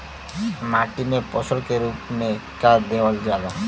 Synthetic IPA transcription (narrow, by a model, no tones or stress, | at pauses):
maʈimepɔsəlkeɾuːpmekaɾd̪eʋəld͡ʒad̪a